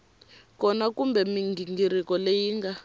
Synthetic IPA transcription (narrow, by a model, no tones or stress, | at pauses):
kɔnakumbɛmiŋɡiŋɡiɾikɔlejiːŋɡa